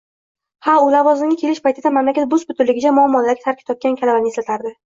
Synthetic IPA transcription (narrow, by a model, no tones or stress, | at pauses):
haʊlavɒznɪɡʲɪkʲʰe̞lɪʃpʰajt̪ʰɪd̪amamlakʲat̪̚bʊzbʊt̪ʰʊɾlːɪɡʲɪd͡ʒamʊamːɒlːaɾɡʲɪt̪ʰaɾkʲʰɪ̥t̪ʰɒp̚kʲankʲʰalabanɪeslat̪ʰaɾd̪ɪ